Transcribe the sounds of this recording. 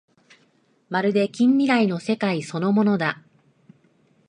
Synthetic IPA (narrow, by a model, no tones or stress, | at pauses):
maɾɯ̟d̪e̞kʲĩmːʲiɾaino̞se̞kaiso̞no̞mo̞no̞d̪a